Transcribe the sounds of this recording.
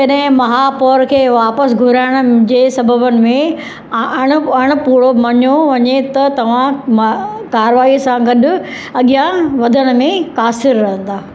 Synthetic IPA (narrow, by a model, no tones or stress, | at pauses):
d͡ʑɐɗɦɪ̃mɐɦaːpɔːɾkʰeːʋaːpəsɡʱʊɾaːɪɽ̃ʊ̆d͡ʑeːsɐbʱəbənɪ̆mẽ | ɐɽ̃ʊɐɽ̃ʊpuːɽomɐɲoʋɐɲet̪ɐt̪ɐʋ̤ãmkaːɾʋaːisãɡɐɗʊ̆ | ɐɠɪjaʋɐd̪ʱəɽ̃ʊ̆mẽkaːsɪɾːɐɦə̃nd̪aː